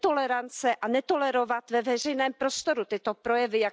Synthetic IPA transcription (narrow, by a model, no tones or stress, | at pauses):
t̪o̞lɛɾant͡sɛʔanɛt̪o̞lɛɾo̞vat̪vɛvɛr̝ɛjnɛːmpɾo̞st̪o̞ɾut̪ɪt̪o̞pɾo̞jɛvɪja